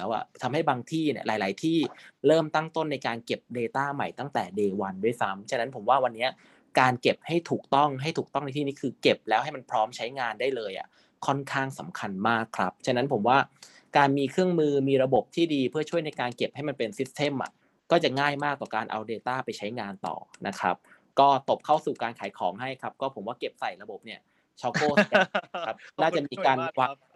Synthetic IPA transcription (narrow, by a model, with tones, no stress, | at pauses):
ɛ˦˥wʔa̰˨˩t̪ʰa˧mha˥˩jbaː˧ŋt̪ʰiː˥˩ni˦˥˩laː˨˦jlaː˩˦jt̪ʰiː˥˩ɾɤː˥˩mt̪a˥˩ŋt̪o˥˩nːa˧jkaː˧nke˨˩p̚deː˧t̪aː˥˩ma˨˩jt̪a˥˩ŋt̪ɛ̰ː˨˩deː˧wa˧ndu˥˩əjsa˦˥mt͡ɕʰa˥na˦˥npʰo˩˦mwaː˥˩wa˧nːi˦˥ɐ | kaː˧nke˨˩p̚ha˥˩jt̪ʰuː˨˩k̚t̪ɔ˥˩ŋɦa˥˩jt̪ʰuː˨˩t̪ɔ˥˩ŋn˧jt̪ʰiː˥˩niː˦˥kʰɯː˧ke˨˩p̚lɛː˦˥wha˥˩jma˧npʰɾɔː˦˥mt͡ɕʰa˦˥jŋaː˧ndaː˥˩jlɤː˧jʔa̰˨˩ | kʰɔ˥˩nkʰaː˥˩ŋsa̰˩˦mkʰa˧nmaː˥˩kʰːɾa˦˥p̚t͡ɕʰa˥na˦˥npʰo˩˦mwaː˥˩ | kaː˧nmiː˧kʰɾɯ˥˩əŋmɯː˧miː˧ɾa˧bo˨˩p̚t̪ʰiː˥˩diː˧pʰɯ˥˩ɐt͡ɕʰu˥˩əjna˧jkaː˧nke˨˩p̚ha˥˩jma˧npe˧nsi˦˥t̪̚sʰe˥˩mʔa̰˨˩ | kɔː˥˩t͡ɕa˨˩ŋaː˥˩jmaː˥˩k̚t̪ɔː˨˩kaː˧nʔa̰˧wdeː˧t̪aː˥˩pa˧jt͡ɕʰa˦˥jŋaː˧nt̪ɔ̰ː˨˩nʔa˦˥kʰɾa̰˦˥p̚ | kɔː˥˩t̪o˨˩p̚kʰa˥˩wsuː˨˩kaː˧nkʰaː˩˦jkʰɔ̰ː˩˦ŋɦa˥˩jkʰa˦˥p̚kɔː˥˩pʰo˩˦mwaː˥˩ke˨˩p̚sa˨˩jɾa˧bo˨˩p̚ni˥˩ɐ | t͡ɕʰɔ˦˥koː˥˩˧a˦˥p̚naː˥˩t͡ɕa˨˩miː˧kaː˧nwa˧